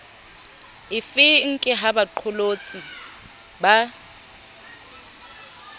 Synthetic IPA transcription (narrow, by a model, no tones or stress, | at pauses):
ɪfɪŋ̩kʼɪɦabaǃʰʊlot͡sʼi | ba